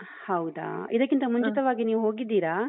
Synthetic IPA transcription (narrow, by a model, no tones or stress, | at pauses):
hɐwd̪a̰ːid̪ɐkːint̪ɐmuɲt͡ʃit̪ɐʋaːɡiniːʋuɦo̞ːɡid̪ːiːɾaː